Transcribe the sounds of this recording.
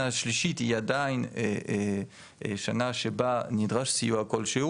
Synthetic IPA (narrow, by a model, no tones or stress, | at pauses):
aʃliʃit̪ijad̪ajnee | ḛʃanaʃebanid̪ʁaʃsiuakɔlʃeu